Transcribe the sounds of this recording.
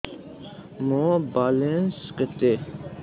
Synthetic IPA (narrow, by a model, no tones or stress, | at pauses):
mõːbaːlẽnskət̪eː